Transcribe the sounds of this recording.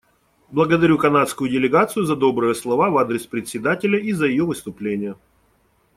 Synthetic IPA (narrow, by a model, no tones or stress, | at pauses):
blˠəɡəd̪ɐɾʲukɐnat̪skʊjʊdʲɪlʲɪɡat̪sɨjʊzɐd̪o̞bɾɨjəslˠɐvavad̪ɾʲɪspɾʲɪt̪ʲsʲɪd̪atʲɪlʲəʔizəjɪjovɨst̪ʊplʲenʲɪjə